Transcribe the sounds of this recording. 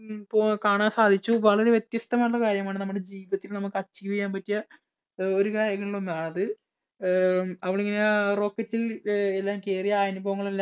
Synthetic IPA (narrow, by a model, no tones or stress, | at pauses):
pokaːɳaːnsaːd̪ʱit͡ɕːuʋɐɭɐɾeʋje̞t̪jɐst̪ɐmaːjuɭːɐkaːɾjɐmaːɳɨnɐmːuɽe̞d͡ʑiːʋɐt̪ːilnɐmːukːɐt͡ɕːiʋijːaːmpɐtːijɐ | o̞ɾukaːɾjɐŋːɐɭːiɭo̞nːaːɳɐðɨ | ɐʋiɭeŋːɐnero̞ːkːɐtːilelːaːmke̞ːrijɐːjnubɐʋɐŋːɐɭelːa